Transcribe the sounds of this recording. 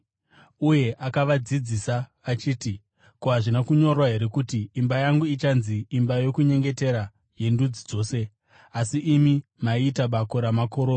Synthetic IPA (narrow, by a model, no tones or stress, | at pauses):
uje̞ʔakaʋad͡zid͡zisaʋat͡ʃiːti | koɦaʐinakuɲo̞rwaɦe̞ɾe̞kutiːmbajaŋɡuit͡ʃanziːmbajo̞kuɲe̞ŋɡe̞te̞ɾa | je̞ndud͡zid͡zo̞ːse̞ | asiʔimimaiːtaɓako̞ɾamako̞ɾona